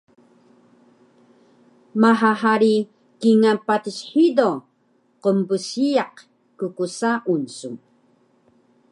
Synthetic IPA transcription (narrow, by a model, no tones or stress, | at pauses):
maɦaɦaɾi | kiŋanpat̪isħido | qəmbusijaq | kukusaʔunsum